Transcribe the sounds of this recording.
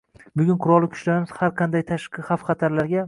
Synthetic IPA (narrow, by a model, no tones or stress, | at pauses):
bʊɡʲʊnqʰʊɾɒlˠɪkʲʰʊ̥t͡ʃlaɾɪmɪz̥haɾqʰɑnd̪ajt̪ʰaʃqɨχafχɑt̪ʰaɾlaɾɡʲa